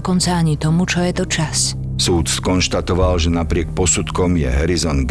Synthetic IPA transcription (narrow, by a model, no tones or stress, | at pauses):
kɔnt͡saaɲit̪ɔmut͡ʃɔjɛt̪ɔt͡ʃas | suːt̪skɔnʃt̪at̪ɔʋalʒɛnapɾɪɛk̚pɔsut̪kɔmjɛ̰ɦɛɾizɔnd̪ɡ